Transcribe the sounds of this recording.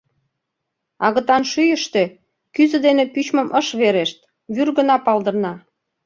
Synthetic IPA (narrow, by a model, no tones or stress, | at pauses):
ɑɣə̆t̪ɑnʃyjəʃt̪e | kyzə̆d̪enepyt͡ɕmə̆mʔəʃβeɾeʃt̪ | βyrɣə̆nɑpɑld̪ə̆rnɑ